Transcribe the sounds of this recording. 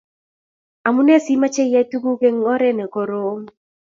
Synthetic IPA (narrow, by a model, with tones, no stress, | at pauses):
a˨mu˦nɛ˦si˦ma˦t͡ʃɛ˦ja˦tu˦ɡu˦ke˦ŋɔ˦ɾɛ˦nɛ˨kɔ˨ɾo˦ŋ